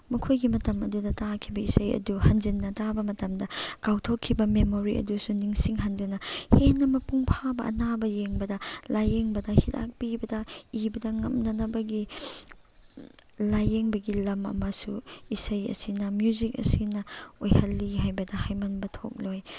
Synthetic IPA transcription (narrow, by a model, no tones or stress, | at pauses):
mɐkʰojɡimɐtɐmɐ̰dudɐtakʰibɐisɐjɐ̰duhɐnzinːɐtabɐmɐtɐmdɐkawtʰokʰːibɐmemoɾiʔɐ̰dusuniŋsiŋɦɐndunɐhenːɐmɐpuŋpʰabɐʔɐ̰nabɐjeŋbɐdɐlajeŋbɐdɐhida̰k̚pibɐdɐibɐdɐŋɐmnɐnɐbɐɡi | lajeŋbɐɡilɐmɐ̰mɐsuisɐjɐ̰sinɐmjuzik̚ɐ̰sinɐojhɐlːiɦajbɐdɐhajmɐnbɐtʰo̰k̚loj